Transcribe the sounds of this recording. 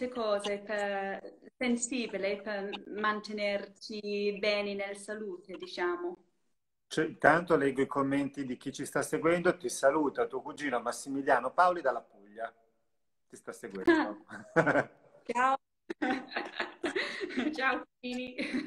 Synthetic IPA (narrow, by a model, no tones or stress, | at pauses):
t̪ekɔːzepe | sensiːbilepermant̪enert͡ʃibɛːninelsaluːt̪ed̪it͡ʃaːmo | t͡ʃɛint̪ant̪olɛɡːoikomːent̪id̪ik̟it͡ʃist̪asːeɡwɛnd̪ot̪isaluːt̪at̪uokud͡ʒiːnoamasːimiljaːnopaolid̪alːapuʎːa | t̪ist̪asːeɡwɛ̰d̪o | t͡ʃao | t͡ʃaokud͡ʒiːni